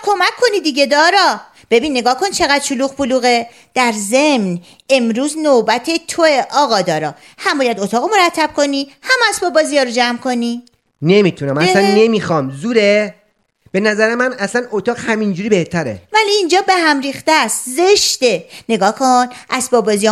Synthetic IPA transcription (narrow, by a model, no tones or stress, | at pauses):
kʰo̞mækʰːo̞nid̪iɟe̞d̪ɒːɾɒː | b̥e̞biːnːe̞ɡɒːhkʰo̞nt͡ʃʰe̞ɣæd̪̥ʃoluːɣboluːɣe̞ | d̪̥æɾze̞mn | e̞mɾuːznobæt̪ʰe̞t̪ʰoeʔɒːɣɒːd̪ɒːɾɒː | hæmbɒːjæd̪ot̪ʰɒːɣomo̞ɾæt̪ʰːæb̥̚kʰo̞niːhæmæsbɒːbːɒːzijɒːɾod͡ʒæmkʰo̞niː | nemit̪ʰunæmæslænːemixɒmzuːɾe | b̥e̞næzæɾemænæsænot̪ʰɒːɣhæmind͡ʒuːɾibeht̪ʰæɾḛvæliːnd͡ʒɒːbe̞hæmɾiːxt̪æst̪zeʃd̪̥e̞ne̞ɡɒːhkʰonʔæsbɒːbːɒːzijɒ